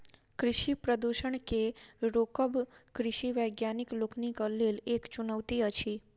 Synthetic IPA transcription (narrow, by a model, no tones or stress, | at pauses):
kɾɪʃipɾəd̪uʃəɳkeɾokəbkɾɪʃiʋəjɡjanikloknikəlːilekt͡ʃunəʋt̪iət͡ʃʰi